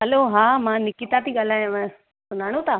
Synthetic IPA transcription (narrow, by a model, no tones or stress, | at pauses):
ɦɐloːɦaːmãnɪkit̪at̪ʰiɠaːl̤aːjõʋẽ | sʊnaːɽ̃õt̪ʰaː